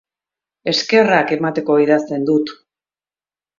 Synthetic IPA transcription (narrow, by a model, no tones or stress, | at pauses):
e̞ske̞rake̞mat̪e̞ko̞iðast̪e̞nd̪ut̪